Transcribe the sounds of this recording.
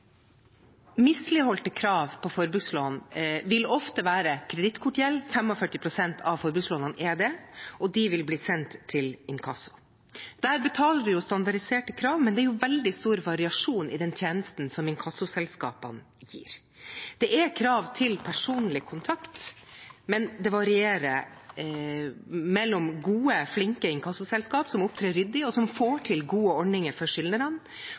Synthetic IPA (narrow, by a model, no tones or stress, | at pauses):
mɪslɪhɔlt̪əkʰɾɑːʋpʰɔfɔɾbʉsloːnʋɪlɔft̪əʋæːɾəkʰɾɛd̪ɪt̪kʰʊʈɪjɛlːfɛmɔfœʈːɪpʰɾʊsɛnt̪ʰɑʋfɔɾbʉsloːnɑnɛd̪ɛɔd̪ɪʋɪlbliːsɛnt̪ʰːɪlɪnkʰɑsʊ̥ | d̪̥æːɾbət̪ʰɑːləɖʉjʊst̪ɑnd̪ɑɖɪseːʈəkʰɾɑːʋmɛnd̪ɛæɾjʊʋɛld̪ɪst̪uːɾʋɑɾɪɑʂuːnʔɪ̰d̪ɛnt̪ʰjeːnəst̪n̩sɔmɪnkʰɑsʊsɛlskɑ̰ːpə̰n | jḭːɾ | d̪̥ɛʔɛkʰɾɑːʋt̪ʰɪlpʰæʂuːnlɪkʰʊnt̪ʰɑkt̪mɛnd̪ɛʋɑɾɪeːɾə | mɛlːɔmɡuːəflɪŋkəɪŋkʰɑsʊsɛlskɑːpsɔmʊp̚t̪ʰɾeːɾʏd̪ːɪɔsɔmfoːʈʰɪlɡuːəɔɳɪŋəɾfɔʂʏlnəɾɑn